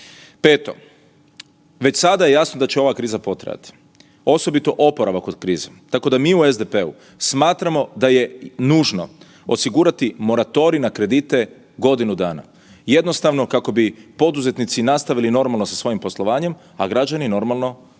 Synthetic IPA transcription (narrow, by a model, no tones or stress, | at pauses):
peːt̪o̞̰ | ʋe̞t͡ɕsad̪aje̞jasnod̪at͡ɕeo̞ʋakɾiːzapo̞t̪ɾa̰ja̰t̪i̥ | o̞so̞bit̪o̞ʔo̞po̞ɾaʋako̞d̪kɾiːzet̪ako̞d̪amiːuezd̪epe̞ṵ | smaːt̪ɾamo̞d̪aje̞nuːʒno̞̰ | osiɡuːɾat̪imo̞ɾat̪o̞ɾinakɾe̞d̪it̪e̞ | ɡo̞d̪inud̪aːna̰ | je̞d̪no̞st̪aʋno̞kako̞bipo̞d̪uze̞t̪nit̪sinast̪aʋilino̞ɾmalˠno̞sasʋo̞jimpo̞slˠo̞ʋaːɲe̞m | aɡɾad͡ʑanino̞ɾmalˠno̞